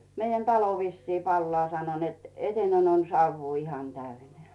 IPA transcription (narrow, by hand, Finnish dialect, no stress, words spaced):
meijæn tɑlo ʋisːiː pɑlːŏɑˑ sɑno net eteinen on sɑuʋːuː ihɑn tæyneæˑ